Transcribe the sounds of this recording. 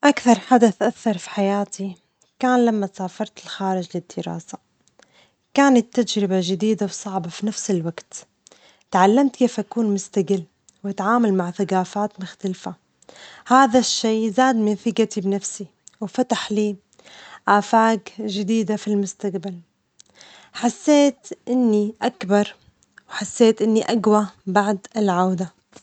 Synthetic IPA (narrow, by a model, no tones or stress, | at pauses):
ʔakθɑɾˤħad̪aθʔaθːɑɾˤfi̥ħajaːt̪ʰi | kaːnlamːasaːfɑɾˤt̪ɪlxaːɾɪd͡ʒlɪd̪ːɪɾa̰ːsa | kaːnat̪ːad͡ʒɾɪbaʒɪd̪iːd̪awsˤɑʕbafinafsɪlwaɡt̪ | t̪ʕalːamt̪keːfʔakuːnmʊst̪aɡɪlː | wʔat̪ʕaːmalmaʕθaɡaːfaːt̪mʊxt̪alfa | haːðaʃːiːzaːd̪mɪnfɪkat̪ibnafsi | wfat̪aħliː | ʔaːfaːɡʒɪd̪iːd̪afilmʊst̪aqbal | ħasːeːt̪ʔɪnːiʔakbɑɾˤ | wħasːeːt̪ʔɪnːiʔaɡwabaʕd̪ɪlʕawd̪a